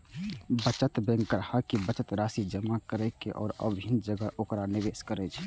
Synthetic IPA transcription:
bət͡ʃət̪bɛ̃ːŋɡəɾhakibət͡ʃət̪ɾaːsid͡ʒəmakəɾɛkeʔɔ̰ːɾə̰bʱind͡ʒəɡəʔoːkɾanɪʋeːskəɾɛt͡ʃʰ

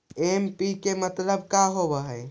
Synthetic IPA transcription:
empikemət̪ləb̚kaɦobəɦəj

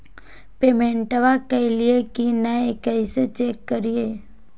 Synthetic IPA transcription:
peːmẽɳʈəʋakəɪliekinaekəɪset͡ʃeːkːəɾije

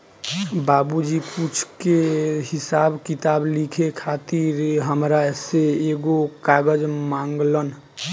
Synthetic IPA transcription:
baːbud͡ʒiput͡ʃʰkehɪsaːbkɪt̪aːblikʰekʰaːt̪iɾɦəmɾaseeːɡokaːɡəd͡ʒmãːŋɡlən

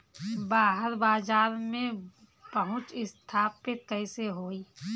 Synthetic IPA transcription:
baːɦəɾbaːzaːɾmẽ | pəɦʊ̃t͡ʃɪst̪ʰaːpɪt̪̚kəɪseɦoːiː

